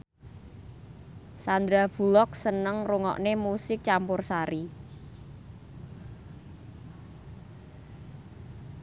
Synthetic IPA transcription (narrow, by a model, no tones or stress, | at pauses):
sand̪ɾab̥ṳlɔk̚sənəŋruŋɔ̰ʔnemusɪk̚t͡ʃampʊrsaɾi